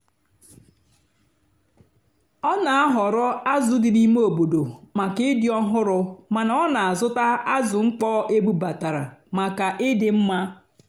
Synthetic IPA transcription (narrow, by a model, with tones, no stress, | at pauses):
ɔ˦na˨a˦ɦɔ˨ɾɔ˦a˦zʊ˦dɪ˨ni˦me˦o˨bo˨do˨ma˨kɪ˦ɪ˦dɪ˦ɔ˦ɦʊ˦ɾʊ˨ma˨na˦ɔ˦na˨a˨zʊ˦ta˦a˦zʊ˨ŋ͡m̩˦k͡pɔː˦ʔe˦bu˦ba˨ta˨ɾa̰˨ma˨ka˨ʔɪ˦dɪ˨m̩˦ma˦